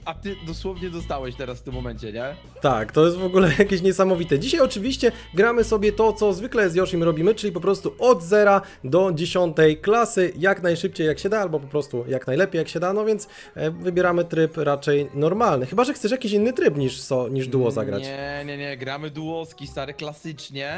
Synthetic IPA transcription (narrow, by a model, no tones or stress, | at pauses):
at̪ɘd̪ɔswɔvɲɛd̪ɔst̪awɛɕt̪ɛɾasft̪ɘmːɔmɛɲt͡ɕɛɲɛ | t̪akt̪ɔjɛst̪vɔɡulɛjakʲeɕɲɛsamɔvʲit̪ɛd͡ʑiɕajɔt͡ʂɘvʲiɕt͡ɕɛɡɾamɘsɔbʲjɛt̪ɔt̪sɔzvɘklɛzjɔʂimɾɔbʲimɘt͡ʂɘlʲipɔpɾɔst̪uʔɔd̪zɛɾa | d̪ɔd͡ʑeɕɔnt̪ɛjklasɘjaknajʂɘp̚t͡ɕejːakɕɛd̪aalbɔp̬ɔpɾɔst̪ujaknajlɛpʲjejakɕɛd̪anɔvʲjɛnt̪s | vɘbʲjɛɾamɘt̪ɾɘpɾat͡ʂɛjnɔɾmalnɘxɘbaʐɛxt̪sɛʂ̬jakʲiɕinːɘt̪ɾɘpɲiʂsɔɲiʐd̪uɔza̰ɡɾa̰ɲt͡ɕɛɲɛɲɛɡɾamɘd̪uwɔskʲist̪aɾɛklasɘt͡ʂɲɛ